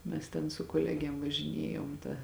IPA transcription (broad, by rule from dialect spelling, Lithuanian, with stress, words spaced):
ˈmʲɛs tʲɛn sʊ koːˈlʲæːɡʲeːm ʋɐʒʲɪˈnʲiɛjoːm tɐ